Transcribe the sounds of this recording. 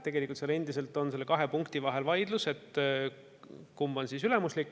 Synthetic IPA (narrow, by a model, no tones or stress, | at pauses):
t̪e̞ɡ̥e̞likːˑult̪sele̞nd̪ise̞lt̪ːˑo̞nse̞lːekɑɦe̞puŋkt̪ivɑɦe̞lvɑjd̪̥luse̞t̪ː | kumbɑnsisyle̞muslikː